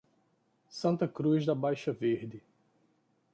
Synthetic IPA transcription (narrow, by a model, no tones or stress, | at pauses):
sɐ̃nt̪ɐkɾuzd̪ɐbajʃɐveɾd̪ɪ